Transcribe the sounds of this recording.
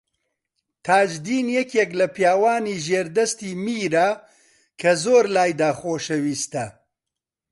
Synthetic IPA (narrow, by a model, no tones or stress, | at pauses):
t̪ʰaːd͡ʒd̪iːnjɛkeklɐpjaːwaːniːʒeːɾd̪ɐst̪iːmiːɾa | kʰɐzoːɾlaːjd̪aːxoːʃɐwiːst̪ɐ